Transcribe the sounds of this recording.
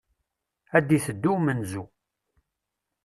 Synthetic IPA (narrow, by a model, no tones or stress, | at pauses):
æd̪iθəd̪ːumənzu